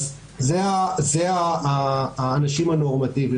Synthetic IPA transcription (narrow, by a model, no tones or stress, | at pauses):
zeazeaː | naʃimanoʁmat̪ivi